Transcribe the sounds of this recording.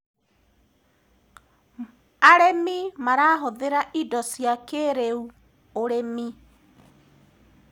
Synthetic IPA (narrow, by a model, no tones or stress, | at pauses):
aɾemimaɾaːɦoðeɾaʔidɔsjakeɾeu | oɾemi